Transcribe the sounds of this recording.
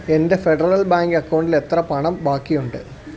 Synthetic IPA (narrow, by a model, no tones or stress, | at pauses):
e̞nde̞fe̞ɖɐrɐlbaːŋɡɐkːɐwɳɖile̞t̪rɐpɐɳɐmbaːkːijuɳɖɨ